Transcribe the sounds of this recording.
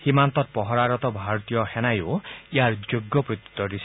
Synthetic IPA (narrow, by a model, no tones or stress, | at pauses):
himant̪ɔt̪̚pɔɦɔɾaɾɔt̪ɔbʱaɾɔt̪ijɔhɛnajoiaɾd͡ʒoɡːɔpɾut̪i̥t̪ːɔɾis